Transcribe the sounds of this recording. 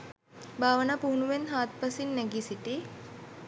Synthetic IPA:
baːʋənaːpuɦunuʋenɦaːt̪̚pasinːɛɡisiʈi

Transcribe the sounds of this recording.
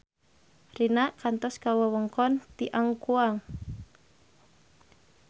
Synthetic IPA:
rinaʔkant̪ɔskawəwəŋkɔnt̪iʔaŋkuaŋ

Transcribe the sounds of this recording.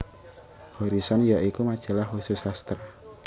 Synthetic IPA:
hɔɾisɔnjaʔikumad̥ʒ̥a̤lahususast̪ɾa

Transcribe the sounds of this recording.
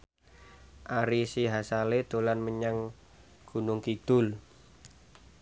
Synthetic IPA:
ʔaɾisiɦasaled̪̥olanməɲaŋ | ɡ̥ṳnʊŋkid̪̥ʊl

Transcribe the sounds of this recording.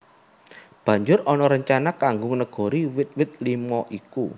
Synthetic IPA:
b̥ä̤ɲd͡ʒʊɾɔnɔɾəɲt͡ʃanakaŋɡʊŋnəɡ̥ɔ̤ɾiwɪt̪̚wɪt̪̚limɔʔikṵ

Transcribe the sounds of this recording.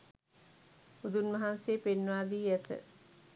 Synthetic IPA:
ud̪unʋɐɦanseːpenːʋaːd̪iːjæt̪ə̰

